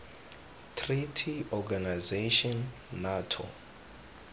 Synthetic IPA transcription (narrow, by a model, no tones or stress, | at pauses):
tʰritʰiɔɡanajzeʃɔnː | atʰɔ̰